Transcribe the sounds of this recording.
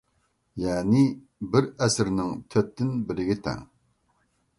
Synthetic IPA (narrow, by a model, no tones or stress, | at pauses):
jɛnɪ | bɪɾɛsɪɾnɪŋt̪ʰøp̚t̪ːɪnbɪɾɪɡʲɪt̪ʰɛ̰ŋ